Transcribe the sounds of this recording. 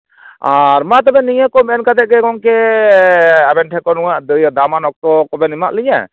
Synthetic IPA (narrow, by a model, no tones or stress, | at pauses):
aɾmat̪ɔbɛniɲakɔbɛnkad̪ɛʔ̚ɡɛɡɔŋkɛ | abɛnʈʰɛkɔnuwaʔd̪jɔd̪amanɔk̚t̪ɔkɔbɛnimaʔliɲa̰